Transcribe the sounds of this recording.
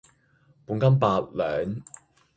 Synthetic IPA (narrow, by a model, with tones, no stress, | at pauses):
puː˨˥nkɐ˥mpaː˧t̚lœː˨ŋ